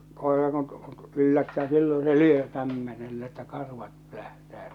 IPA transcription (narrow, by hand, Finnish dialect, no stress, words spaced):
koˑerɑ kun t ylːætːæː silːõː se lyø kæmːenelːæ etːæ kɑrʋɑt pø̆læhtæː